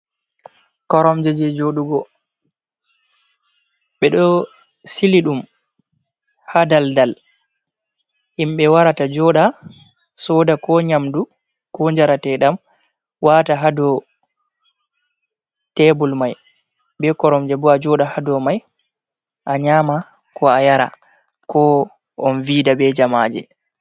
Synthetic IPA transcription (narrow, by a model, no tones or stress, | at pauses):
kɔɾɔmd͡ʒɛd͡ʒɛd͡ʒoɗuɡɔ | ɓɛɗɔ | siliɗum | hadaldal | ʔimɓɛwaɾatad͡ʒɔɗa | sɔdakɔɲamdu | kɔɲd͡ʒaɾatɛɗam | wataɦadɔ | tɛbɔlmaj | bɛkɔɾɔmd͡ʒɛbɔad͡ʒɔɗahadɔmaj | ʔaɲaːma | kɔajaɾa̰ | kɔ | ʔɔnvidabɛd͡ʒamaːd͡ʒɛ̰